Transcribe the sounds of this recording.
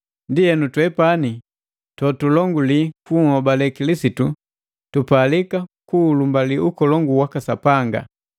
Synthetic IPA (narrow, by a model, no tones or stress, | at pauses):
ndiɛnutwɛpani | tɔtulɔŋɡulikuːhɔbalɛkilisitu | tupalikakuːlumbaliʔukɔlɔŋɡuwakasapaŋɡa̰